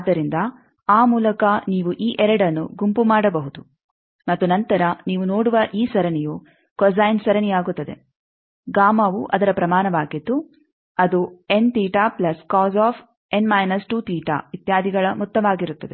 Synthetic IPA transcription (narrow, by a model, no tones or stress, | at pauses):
aːd̪ːɐɾind̪ɐ | aːmuːlɐkɐniːʋuʔiːʔɛɾɐɽɐnːuɡumpumaːɽɐbɐɦud̪u | mɐt̪ːunɐnt̪ɐɾɐniːʋunoːɽuʋɐʔiːsɐɾɐniju | kɔzaːjnsɐɾɐnijaːɡut̪ːɐd̪e̞̰ | ɡaːmɐʋuʔɐd̪ɐɾɐpɾɐmaːnɐʋaːɡid̪ːu | ɐd̪ue̞nt̪iːʈaːplɐskaːzaːf | enmɐjnɐsʈuːt̪iːʈa̰ːʋit̪jaːd̪ʱiɡɐɭɐmut̪ːɐʋaːɡiɾut̪ːɐd̪e